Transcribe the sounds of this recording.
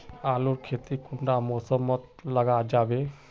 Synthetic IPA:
aluɾkʰet̪ikuɳɖamosɔmːɔt̪laɡad͡ʑabe

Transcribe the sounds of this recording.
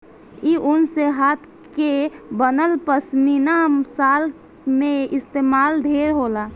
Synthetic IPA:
iʔʊnseɦaːt̪ʰ | kebənəlpəsminasaːl | mẽɪst̪eːmaːld̪ʱeːɾɦoːla

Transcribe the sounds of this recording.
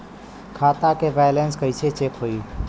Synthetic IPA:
kʰaːt̪akebɛjlenskəit͡ʃʰet͡ʃekɦoːi

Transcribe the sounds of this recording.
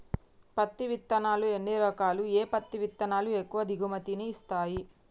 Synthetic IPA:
pɐt̪ːiʋit̪ːɐnaːlue̞nːiɾɔkaːlueːpɐt̪ːiʋit̪ːɐnaːluekːuʋɐd̪ʱiɡumɐt̪iniist̪aːji

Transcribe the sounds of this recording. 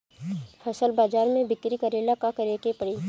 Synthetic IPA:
pʰɐsəlbaːd͡ʒaːɾmẽbɪkɾikəɾeːlakakɐɾeːkepɐɽiː

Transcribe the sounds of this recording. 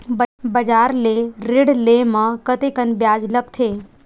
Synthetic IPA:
bbəd͡ʒaːɾleɾɪɽlemãkət̪ekənbjaːd͡ʒlək̚t̪ʰeː

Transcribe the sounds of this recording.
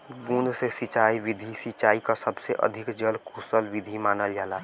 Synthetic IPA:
ɡũnd̪sesɪt͡ʃaːiʋɪd̪ʱisit͡ʃaːikasəbseʔə̰d̪ʱɪkd͡ʒəlkʰusəlʋɪd̪ʱimaːnəljaːla

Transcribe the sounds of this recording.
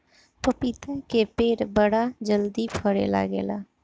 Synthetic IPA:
pəpiːt̪ɛːkeːpeːɾbəɽaːd͡ʒəld̪iːpʰəɽḛːla̰ːɡḛːla̰ː

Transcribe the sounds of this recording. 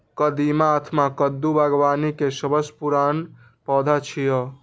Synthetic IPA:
kəd̪imaːt̪ʰmakəd̪ːubaɡʋaːnikesəbəspuɾaːn | pɔd̪ʱat͡ʃʰijɔ

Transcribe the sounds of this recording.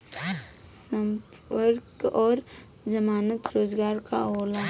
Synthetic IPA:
sə̃mp | əɾkɔːɾ | d͡ʒəmaːnət̪ɾoːd͡ʒɡaːɾka̰oːlaː

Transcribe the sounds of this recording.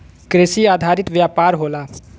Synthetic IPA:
kɾesiaːd̪ʱaːɾɪt̪ʋjaːpaːɾɦola

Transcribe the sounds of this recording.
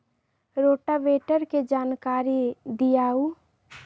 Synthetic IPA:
ɾoːʈaʋeːʈəɾked͡ʒaːnkaːɾid̪ijaːu

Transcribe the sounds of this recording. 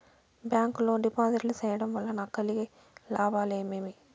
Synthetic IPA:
bjaːŋkuloːɖipaːzɐɾlisɛːjɐɽɐmʋɐlːɐnaːkːɐliɡe | laːbaːleːmemi

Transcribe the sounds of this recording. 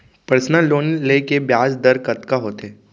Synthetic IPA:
pəɾsnaloːnlekebjaːsd̪əɾkɐt̪kaɦoːt̪eː

